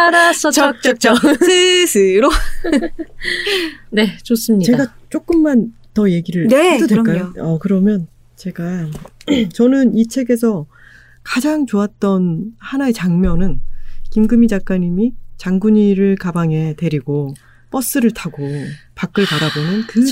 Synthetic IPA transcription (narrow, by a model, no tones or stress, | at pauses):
ɾas͈ʌt͡ɕʌk̚t͡ɕ͈ʌk̚t͡ɕ͈ʌesʰɯɾo | ne̞t͡ɕos͈ɯmɲit͡ɕe̞aɡat͡ɕ͈ok͈ɯmːan | tʌje̞ɡiɾɯnedodek͈ajoʌkɯɾʌmjʌn | t͡ɕe̞ɡa | t͡ɕʌnɯnit͡ɕʰe̞ɡe̞sʰʌ | kad͡ʑaŋt͡ɕoat̚t͈ʌnhanaet͡ɕaŋmjʌnɯnkimɡɯmid͡ʑak͈aɲimit͡ɕaŋɡuɲiɾɯɭkabaŋe̞te̞ɾiɡo | p͈ʌs͈ɯɾɯɭtʰaɡopak͈ɯɭpaɾabonɯnkɯ